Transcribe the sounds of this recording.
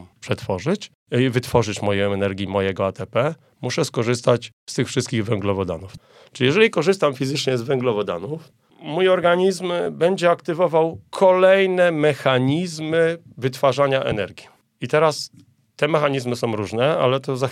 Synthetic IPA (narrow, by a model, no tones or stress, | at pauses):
pʂɛt̪fɔʐɘt͡ɕ | vɘt̪fɔʐɘt͡ɕmɔjɛɛnɛɾɡʲjimɔjɛɡɔat̪ɛpɛ | muʂɛskɔʐɘs̬t̪at͡ɕ | st̪ɘxfʂɘst̪kʲiɣvɛŋɡlɔvɔd̪a̰nuf | ʈ͡ʂɘlʲijɛʐɛlʲikɔʐɘst̪amfʲizɘt͡ʂɲɛzvɛŋɡlɔvɔd̪a̰nuf | mujɔɾɡaɲizmbɛɲd͡ʑɛakt̪ɘvɔvawkʰɔlɛjnɛmɛxaɲizmɘvɘt̪faʐaɲaʔɛ̰nɛɾɡʲi | it̪ɛɾas | t̪ɛmɛxaɲizmɘsɔ̃w̃ɾuʐnɛa̰lɛt̪ɔza